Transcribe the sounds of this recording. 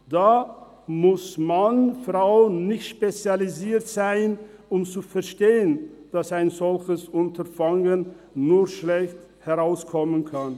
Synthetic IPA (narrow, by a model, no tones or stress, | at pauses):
d̥aː | mʊsmanfʁaʊnɪçtʃpet͡sjaliziːɐtz̥aɪnʊmt͡sufɛɐʃteːənd̥asaɪnzɔlçəsʊntɐfaŋənː | uːɐʃlɛçt | hɛʁaʊskʰɔmənkʰan